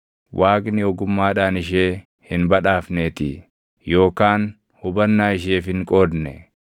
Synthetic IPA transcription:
wʔaːkʼnɪɔɡʊmːaːᶑaːnɪʃ̬eː | hɪnbɐᶑaːfneːt̪ɪ | jo̞ːkaːn | hʊbɐnːaːɪʃ̬eːfɪŋkʼo̞ːd̪nɛ

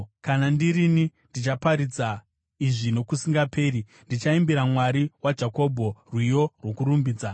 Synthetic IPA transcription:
kanandiɾinindit͡ʃapaɾid͡za | iʐino̞kusiŋɡape̞ːɾi | ndit͡ʃaimbiɾamwaɾiwad͡ʒako̞bʱo̞rwijo̞rwo̞kuɾumbiːd͡za

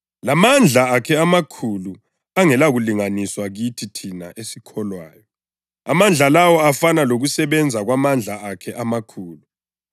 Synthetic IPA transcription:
lamand͡ɮʱaakʰɛamakʰulu | aŋɛlaɣuliŋaniswaɣitʰitʰinaʔesikʰɔlwaːjɔ | a̰mand͡ɮʱalawɔafanaloɣusɛβɛnd͡zʱaɣwamand͡ɮʱaʔakʰɛʔamakʰuːlu

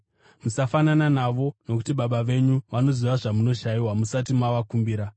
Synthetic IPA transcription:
musafanananaʋo̞no̞kutiɓaɓaʋe̞ɲuʋano̞ziʋaʐamuno̞ʃajiwamusat̬imaʋakumbiːɾa

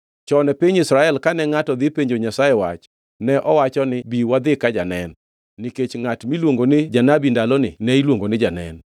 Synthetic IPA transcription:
t͡ʃɔnɛpiɲisɾaɛlkanɛŋatɔd̪ɪpeɲd͡ʒoɲasajɛwa̰t͡ʃ | nɛʔɔwat͡ʃɔnɪbiwad̪ɪkad͡ʒanɛnː | iket͡ʃŋatmilwoŋɡonɪd͡ʒanabindalɔnɪ̰nɛilwoŋɡonɪd͡ʒanɛ̰n

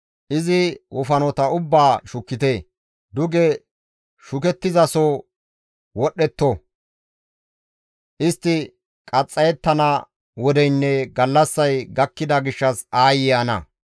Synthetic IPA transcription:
ʔɪzɪwʔɔfɐnɔt̪ɐʊbːaːʃʊkːɪt̪eː | d̪ʊɡɛ | ʃʊkɛt̪ːɪzɐsɔ | wɔɗːɛt̪ːɔ | ʔɪst̪ːɪ | kʼɐt͡sʼːɐjɛt̪ːɐnɐ | wɔd̪ɛjnːɛɡɐlːɐsːɐjɡɐkːɪd̪ɐɡɪʃːɐsaːjɪjɐnɐ̰

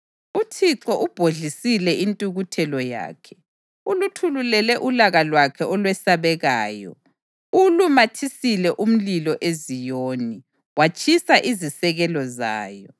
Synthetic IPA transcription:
utʰiǁɔʔub̥ʱoɮisilɛʔintʼuɣutʰɛlɔja̰ːkʰɛ̥ | ulutʰululɛlɛʔulaɣalwakʰɛɔlwɛsaβɛɣaːjɔ̰ | ulumatʰisilɛʔum̩lilɔʔezijoːni | wat͡ʃʼisaʔizisɛɣɛlɔza̰ːjɔ

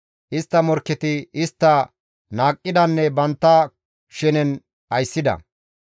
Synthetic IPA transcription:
ʔɪst̪ːɐmɔɾkːɛt̪ɪɪst̪ːɐ | naːkʼːɪd̪ɐnːɛbɐnt̪ːɐ | ʃɛnɛn | ɐjsːɪd̪ɐ̰

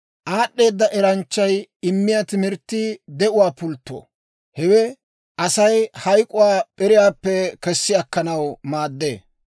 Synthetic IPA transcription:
ʔaːɗːe̞ːd̪ːɐʔɛɾɐnt͡ʃːɐjɪmːɪjat̪ɪmɪɾt̪ːid̪ɛʔʊwaːpʊlt̪ːo̰ː | hɛwɛ | ʔɐsɐjhɐjkʼːʊwaːpʼɛɾɪjaːpːɛkɛsːɪɐkːɐnɐwmaːd̪ːḛː

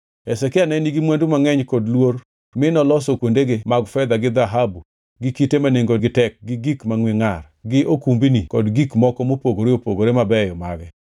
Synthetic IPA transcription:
ɛsɛkɪanɛniɡimwɛndumaŋɛɲkɔdlwor | mɪnɔlɔsokwondeɡemaɡfɛd̪aɡɪd̪aɦabu | ɡɪkitemaneŋɡoɡɪtɛk̚ɡɪɡikmaŋwɪŋar | ɡɪʔokumbinikɔdɡikmɔkɔmopoɡoɾeopoɡoɾemabɛjɔma̰ɡɛ

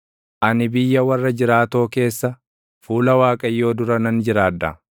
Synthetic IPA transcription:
ʔɐnɪbɪjːɐwɐrːɐd͡ʒɪɾaːt̪o̞ːke̞ːsːɐ | fuːlɐwaːkʼɐjːo̞ːd̪ʊɾɐnɐnd͡ʒɪɾaːd̪ːɐ̰

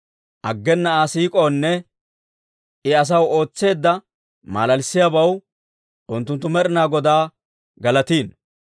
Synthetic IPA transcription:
ʔɐɡːɛnːɐaːsiːkʼoːnːɛ | ɪɐs̬ɐwo̞ːt͡sːe̞ːd̪ːɐ | ma̰ːlɐlsːɪjaːbɐw | ʔʊnt̪ːʊnt̪ːʊmɛɾɪnaːɡɔd̪aː | ɡɐlɐt̪iːn

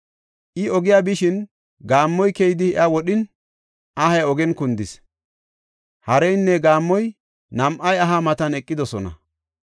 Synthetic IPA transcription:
ʔɪɔɡɪjabɪʃɪn | ɡaːmːɔjkɛjɪd̪ɪɪʔɐwɔɗɪn | ʔɐhɐjɔɡɛnkʊnd̪ɪs | hɐɾɛjnːɛɡaːmːɔj | nɐmʔɐjɐɦamɐt̪ɐnɛkʼːɪd̪ɔsɔnɐ̰

